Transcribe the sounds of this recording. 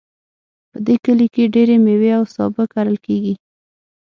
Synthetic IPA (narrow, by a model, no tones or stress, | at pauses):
pəd̪ekəlikeɖeɾemeweawsɑbəkaɾəlkeɡi